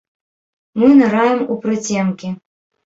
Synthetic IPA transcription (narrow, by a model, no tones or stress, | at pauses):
mɨnaɾajɛmupɾɨt͡sʲɛmkʲi